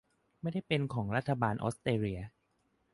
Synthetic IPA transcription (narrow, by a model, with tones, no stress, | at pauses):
ma˥˩jda˥˩jpe˧nkʰɔː˩˦ŋɾa˦˥t̪ʰːa˧baː˧nʔo̰˦˥st̪eː˧ɾi˧ɐ